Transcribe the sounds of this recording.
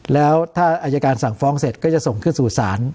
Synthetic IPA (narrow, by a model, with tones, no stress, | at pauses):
lɛː˦˥wt̪ʰaː˥˩ʔʔaː˧ja˧kaː˧nsa˨˩˦ŋfɔː˦˥ŋse˨˩t̪̚kɔː˥˩t͡ɕa˨˩so˨˩ŋkʰɯ˥˩nsuː˨˩saː˩˦n